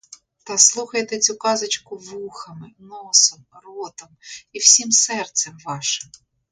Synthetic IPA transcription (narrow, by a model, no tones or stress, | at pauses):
t̪ɐslˠuxɐjt̪ɛt͡sʲukɑzɐt͡ʃkʊʋuxɐmɪnɔsɔmrɔt̪ɐmiw̥sʲimsɛrt̪sɛmʋɑʃɪm